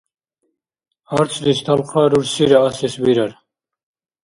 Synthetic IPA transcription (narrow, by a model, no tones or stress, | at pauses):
aɾt͡sʰd̪ist̪ʰalχaːɾuɾsiɾaasisbiɾaɾ